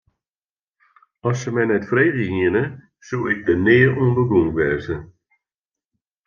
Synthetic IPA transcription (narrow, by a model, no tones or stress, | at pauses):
ɔsəmɛjnɛtfreːɣəiənə | sulɪk̚dənɪːuənbəɡuŋʋɛzə